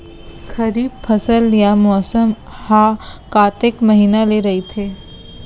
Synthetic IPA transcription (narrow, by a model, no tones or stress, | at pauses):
kʰɐɾiːb̚pʰɐsəljamɔːsəm | hakaːt̪ekməɦiːnaleɾɐɦit̪ʰeː